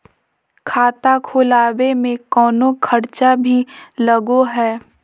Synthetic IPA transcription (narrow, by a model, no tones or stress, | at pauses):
kʰaːt̪akʰoːlaːwemẽkɔːnokʰɐɾt͡ʃabʱilɐɡoɦɛː